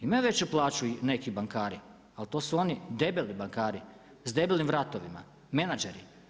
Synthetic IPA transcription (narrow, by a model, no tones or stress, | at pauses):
imaʋe̞t͡ɕuplˠaːt͡ʃuine̞kibaŋkaːɾi | alt̪oːsuo̞nid̪e̞belibaŋkaːɾi | zd̪e̞belnimʋɾat̪oʋima̰ | me̞nad͡ʒeɾḭ